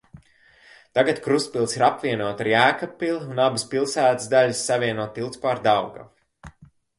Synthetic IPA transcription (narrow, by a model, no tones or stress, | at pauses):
t̪aɡat̪kɾust̪̚pilˠsiɾapvʲiɛnuɔt̪aɾjæːkapːilˠunabɨspilˠsæːt̪ɨzd̪aʎʲɨsːavʲiɛnuɔt̪ːilˠt̪spaːɾd̪awɡa̰f